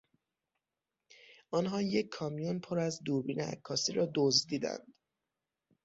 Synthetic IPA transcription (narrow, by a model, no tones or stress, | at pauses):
ʔɒːnɦɒːje̞cʰːɒːmijonpʰoɾæzd̪uːɾbiːneæ̰kʰːɒːsiːɾɒːd̪ozd̪iːd̪æ̰nd̪̥